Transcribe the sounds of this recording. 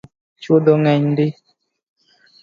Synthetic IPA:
t͡ʃodɔŋɛɲndɪ

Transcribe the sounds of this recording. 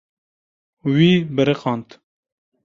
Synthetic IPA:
wiːbɨɾɛqɑːnt̪

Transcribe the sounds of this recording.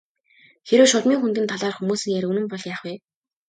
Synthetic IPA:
xeɾɘ̆wʃʊɮmiːŋxunt̪̬ɘ̆nt̪ʰaɮaːrxumuːsɘ̆ŋjæɾɵnɘ̆mpɔɮjaːχwiː

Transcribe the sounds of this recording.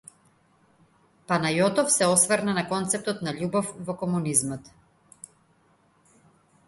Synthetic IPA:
panajɔt̪ɔfsɛɔsvəɾnanakɔnt̪sɛp̚t̪ɔt̪naʎubɔfvɔkɔmunizmɔt̪

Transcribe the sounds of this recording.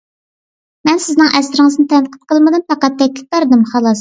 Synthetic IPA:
mɛnsɪznɨŋʔɛsɪɾɪŋɨznɨt̪ʰɛnqʰə̥t̪̚qʰəlˠmɨd̪ɨnpɑqɑt̪ʰːɛkʲlʰʲɪ̥p̚bɑɾd̪ɨmχɑlˠɑs

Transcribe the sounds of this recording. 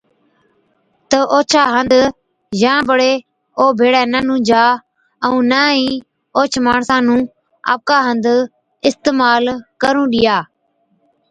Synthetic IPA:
t̪əʔoːt͡ʃʰaːɦənd̪ | jãːbəɽeː | oːbʱeːɽɛːnəːnũːd͡ʒaː | əũːnaːĩː | oːt͡ʃʰmaːɳsãːnũː | a̰ːp̚kaːɦənd̪ | ɪst̪eːmaːlkəɾũːɗɪjaː

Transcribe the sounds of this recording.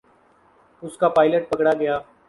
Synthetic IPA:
ʊskaːpaːɪləʈ̚pəkɽaːɡəjaː

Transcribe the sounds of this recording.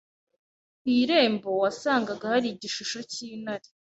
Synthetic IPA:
wiːɾe̞ːmbo̞wasaːŋɡaɡahaɾiɟiʃuʃo̞ciːnaɾi̥

